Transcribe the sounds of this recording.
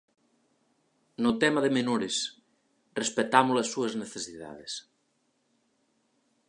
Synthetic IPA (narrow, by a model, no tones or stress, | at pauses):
not̪ɛmaðemenoɾes | respet̪amolesːuɐzneθesiða̰ðes